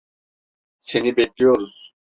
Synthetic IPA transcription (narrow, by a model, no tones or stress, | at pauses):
se̞nibɛclʲijo̞ɾuz̥